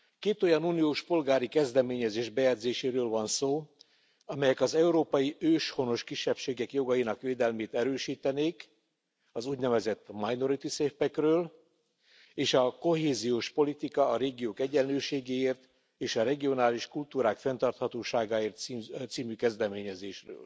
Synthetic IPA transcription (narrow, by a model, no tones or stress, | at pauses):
keːt̪o̞jɒnuːnijoːʃpo̞lɡaːɾikɛzd̪ɛmeːɲɛzeːʒbɛjɛd̪zeːʃeːɾøːlvɒnsoː | ɒmɛjɛkɒzɛuɾoːpɒjiʔøːʃho̞no̞ʃkiʃːɛpʃeːɡɛkjo̞ɡɒjinɒkʋeːd̪ɛlmeːt̪ɛɾøːʃiːt̪ɛneːk | ɒzuːɟnɛvɛzɛt̪ːmajno̞ɾit̪iseːfpɛkrøːl | eːʃɒko̞ɦeːzijoːʃpo̞lit̪ikɒːɾeːɡijoːkɛɟɛlløːʃeːɡeːeːrt̪ | eːʃɒɾɛɡio̞naːliʃkult̪uːɾaːkfɛnt̪ɒrt̪hɒt̪oːʃaːɡaːeːrt̪sit̪siːmykɛzd̪ɛmeːɲɛzeːʃrø̰ːl